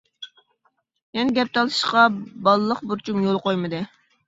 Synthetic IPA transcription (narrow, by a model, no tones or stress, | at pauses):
jɛnɡʲɛp̚t̪ʰɑlˠɨ̥ʃqɑbɑlˠɨlˠəχbuɾt͡ʃʰumjolˠqojmɨd̪ɨ